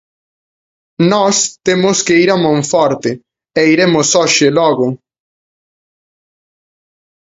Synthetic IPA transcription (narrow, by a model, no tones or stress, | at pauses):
nɔst̪emʊskeiɾamõɱfɔɾt̪ɪ | ɛiɾemʊsɔʃɪlɔɣʊ